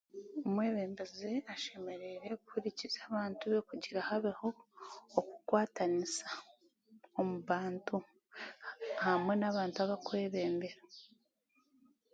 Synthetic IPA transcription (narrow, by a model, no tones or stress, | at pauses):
omwe̞ːβe̞ːmbezeaʃe̞me̞ɾeɾe̞kuhuɾicizaβaːntuβe̞kuɟiɾahaβeho̞ː | ku̥kwaːtanisḁ | omuβaːntu | hamwe̞naβaːntuaβakwe̞ːβe̞ːmbe̞ɾa